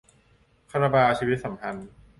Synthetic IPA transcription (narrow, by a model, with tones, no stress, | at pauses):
kʰa˧ɾa˧baː˧t͡ɕʰiː˧wi˦˥t̪̚sa˩˦mkʰa˧n